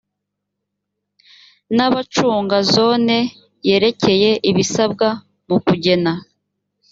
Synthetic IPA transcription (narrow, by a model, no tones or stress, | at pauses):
naβat͡ʃuːŋɡazo̞ːne̞ | je̞ɾe̞ce̞je̞ʔiβisab̚ɡa | mukuɟe̞na